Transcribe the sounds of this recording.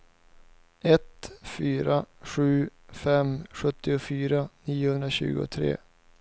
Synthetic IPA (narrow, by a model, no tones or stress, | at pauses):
ɛt̪fyːɾaɧʉ̟ːfɛmɧɵt̪ːɪʊfyːɾaniːʊhɵnd̪ɾaɕʉ̟̰ːɡʊ̰t̪ʰɾḛː